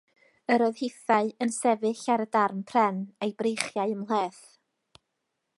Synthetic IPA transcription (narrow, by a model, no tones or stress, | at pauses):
əɾɔɨðheθaɨənsɛvɨɬaɾədarmpʰrɛnejbrejχjaɨəmlˠeːθ